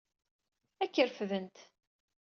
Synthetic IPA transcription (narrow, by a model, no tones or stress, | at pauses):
ækːəɾfðənt̪